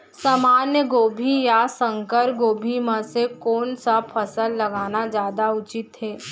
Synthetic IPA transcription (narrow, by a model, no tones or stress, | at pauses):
samaːnjəɡoːbʱijasə̃ŋkəɾɡoːbʱimãsekoːnsapʰɐsəlːɐɡaːnad͡ʒjaːd̪aʊt͡ʃɪt̪ɦɛː